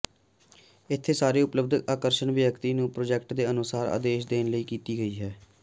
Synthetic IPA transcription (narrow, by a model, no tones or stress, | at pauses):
ɪt̪ʰːeːsaːɾeːʊpləb̚d̪əkaːkəɾʃənʋɪjəkt̪iːnũːpɾoːd͡ʒɛːkʈd̪eːənʊsaːɾa̰ːd̪eːʃd̪eːnləiːkiːt̪iːɡəiːɦɛː